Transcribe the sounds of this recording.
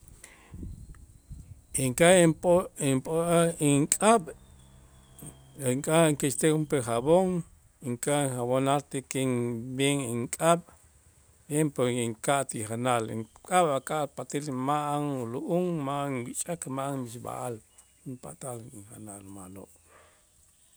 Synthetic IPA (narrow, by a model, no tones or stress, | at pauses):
iŋkapoimpʼoaiŋkʼaɓ | ŋkʼaŋkeʃt̪exumpeχaβoŋ | iŋkaiχaβonalt̪ekeŋbeŋiŋkʼaɓ | bjempoiŋkaʔt̪iχanalḭŋkʼaɓakʼaʔpat̪ilmaʔaŋuluʔuŋmaʔŋwit͡ʃʼakmaʔaŋbiʃba̰ʔal | impa̰t̪aliŋχanalmalo̰ʔ